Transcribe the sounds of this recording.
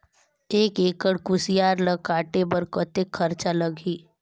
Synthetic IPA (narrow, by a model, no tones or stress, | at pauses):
eːkeːkəɽkʊsɪjaːɾləɡkaːʈebəɾkət̪ekʰːɐɾt͡ʃaləɡʱiː